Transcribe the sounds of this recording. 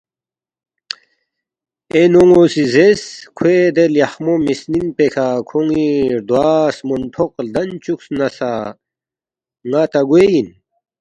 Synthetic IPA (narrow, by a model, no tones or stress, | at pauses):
enoŋosizeskʰwed̪eljaxmomisninpekʰakʰoŋiɾd̪waːsmont̪ʰoqld̪ɐnt͡ɕuksnɐsa | ŋat̪aɡwejin